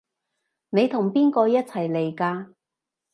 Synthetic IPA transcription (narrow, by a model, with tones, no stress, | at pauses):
ne˨˧jt̪ʰʊ˨˩ŋpiː˥nkɔː˧jɐ˥t̚t͡sʰɐ˨˩jle˨˩jkaː˧